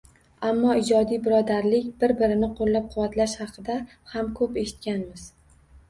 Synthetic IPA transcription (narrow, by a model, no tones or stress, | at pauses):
amːɒɪd͡ʒɒd̪ijbɪɾɒd̪aɾlɪkʲbɪɾbɪɾɪnɪqʰolːap̚qʰʊwat̪ʰlaʃhɑqʰɨd̪a | hamkʰɵpe̞ʃɪ̥t̪̚kʲanmɪz̥